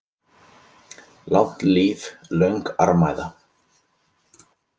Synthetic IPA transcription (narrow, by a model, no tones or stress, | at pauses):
lawht̪liːvlœɥŋka̰ɾmajða